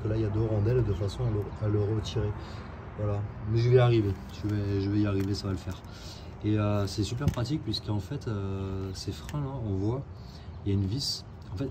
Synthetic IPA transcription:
kəlaijad̪øʁɑ̃d̪ɛld̪əfasɔ̃aləaləʁət̪ʰiʁe | vwalamɛʒəvɛaʁivet̪yvɛʒəvɛiaʁivesavaləfɛːʁ | eøsɛsyp̬ɛʁpχat̪ik̚pɥisə̥kɑ̃fɛt̪øsefχɛ̃laɔ̃vwa | jaynvis | ɑ̃fɛt̪

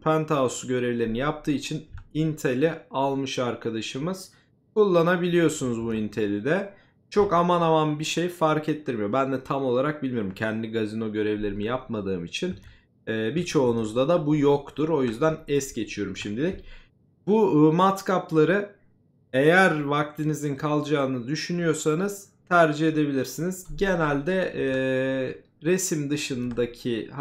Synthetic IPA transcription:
pʰænt̪ʰaosɟø̞ɾe̞vlʲe̞ɾinijap̚t̪ʰɯːit͡ʃʰinint̪ʰelʲialˠmɯʃaɾkʰad̪aʃɯmɯz̥ | kʰulˠːanabilʲijo̞sunuzbuint̪ʰe̞lʲid̪ɛ | t͡ʃʰo̞kamanamanbiʃe̞jfaɾkʰet̪ʰːiɾmijo̞bænd̪ɛt̪ʰamo̞lˠaɾak̚bilʲmijo̞ɾumcʰɛnd̪lʲiɡazino̞ɟø̞ɾevlʲe̞ɾimijapmad̪ɯːmit͡ʃʰin | ɛːbit͡ʃʰo̞unuzd̪ad̪abujo̞kt̪ʰuɾo̞jyzd̪ænɛsɟe̞t͡ʃʰijo̞ɾumʃimd̪ilʲic | bumat̪kaplˠaɾɯ | e̞jæɾvak̚t̪ʰinizinkʰalˠd͡ʒaːɯnɯd̪yʃynyjo̞ɾsanɯz̥ | t̪ʰæɾd͡ʒiɦe̞d̪e̞bilʲiɾsiniz̥ɟe̞nælʲd̪ɛ | ɾe̞simd̪ɯʃɯnd̪acʰih

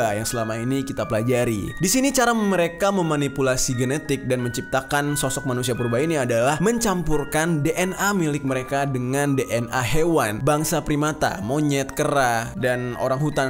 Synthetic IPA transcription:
ajaŋsəlamainikit̪apəlad͡ʒaɾḭdisinit͡ʃaɾaməɾekaməmanipulasiɡənet̪ɪk̚danməɲt͡ʃip̚t̪akansɔsɔk̚manusiapɾubainiadalahməɲt͡ʃampurkandeʔɛnamilɪk̚məɾekadəŋandeʔɛnʔaɦewanbaŋsapɾimat̪a̰moɲɛt̪̚kəɾadano̰ɾaŋɦut̪an

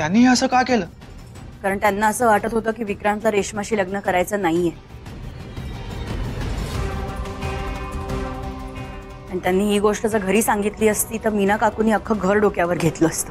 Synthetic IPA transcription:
t̪janːiːɦəsəːkakeləː | kaɾəɳt̪janːaəsəːʋaʈət̪ɦot̪əːkiːʋikɾanlaɾeɕmaɕiːləɡnəkəɾajt͡sənaɦije | əɳit̪janːiːɦiːɡoʂʈəd͡zəɡʱəɾiːsaŋɡit̪liːəst̪iːt̪əɾminakakuːniːəkʰːəɡʱəɾɖokjaʋəɾɡʱet̪ləːst̪ə

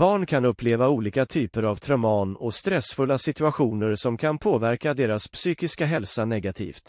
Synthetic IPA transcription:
bɑːɳkʰanɵpːleːvauːliːkat̪ʰyːpəɾavt̪ʰɾœmɑːnɔst̪ɾɛsfɵlːasɪt̪ɵaɧuːnəɾsɔmkʰanpʰoːvæɾkad̪eːɾaspʰsyːkɪskaɦɛlsanɛɡat̪ʰḭːft̪

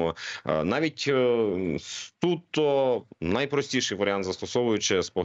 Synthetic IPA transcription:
ɔnɑʋʲitʲ | st̪ut̪ːɔnɐjpɾɔsʲtʲiʃɪjʋɐɾʲɪant̪zɐst̪ɔsɔʋʊjʊt͡ʃɪspɔɦ

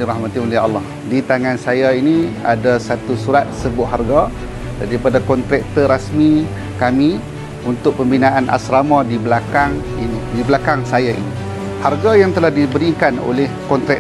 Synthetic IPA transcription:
iɾahmat̪iolɪɑlːɑh | dit̪aŋansajainia̰dasat̪usuɾat̪̚səbʊʔɦarɡa | daɾipadakɔnt̪ɾɛk̚t̪əɾasmi | kami | unt̪ʊk̚pəmbinaʔanʔa̰sɾamãdibəlakaŋinidibəlakaŋsajaʔḭni | harɡajaŋt̪əlahdibəɾikano̰lɛhkɔnt̪ɾɛ

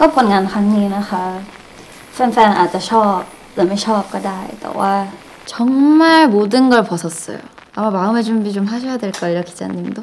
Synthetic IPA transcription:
kʌkʰonŋankʰaŋɲinakʰa | fʰɛnfʰɛnʔa̰t̚t͡ɕ͈at͡ɕʰɔp̚ | lamet͡ɕʰʌp̚k͈ʌdajt̪a̰wa | t͡ɕʌŋmaɭmodɯnɡʌɭpʌsʰʌs͈ʌ̰jo̰ | amamaɯmet͡ɕumbit͡ɕomɦaɕʰʌjadweɭk͈ʌiɾʌkʰi̥d͡ʑa̰ɲimdo

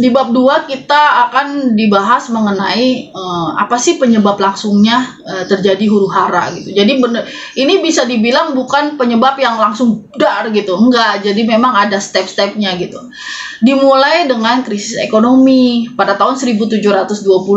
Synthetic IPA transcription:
dibap̚duakit̪aːkandibaɦasməŋənaiəma̰pasɪhpəɲəbaplaŋsʊŋɲa | ət̪ərd͡ʒadiɦuɾuɦaɾa̰ɡit̪ud͡ʒadibənə | inibisadibilaŋbukanpəɲəbapjaŋlaŋsʊŋdarɡit̪uəŋɡaʔd͡ʒadimemaŋadast̪ɛpst̪ɛp̚ɲaɡit̪u | dimulajdəŋankɾisɪsḛkonomipadat̪aɦʊnsəɾibut̪ud͡ʒʊhɾat̪ʊsduapul

